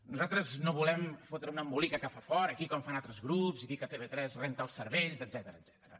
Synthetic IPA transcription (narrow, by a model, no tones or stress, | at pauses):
nuzalˠt̪ɾəznoβulɛmfot̪ɾəunəmbulikəkəfafɔɾəkikɔɱfanalˠt̪ɾəzɣɾupziðikət̪eβet̪ɾɛzrɛnt̪əlˠsəɾβɛʎzəd̪z̥ɛt̪əɾəːd̪z̥ɛ̥t̪əɾə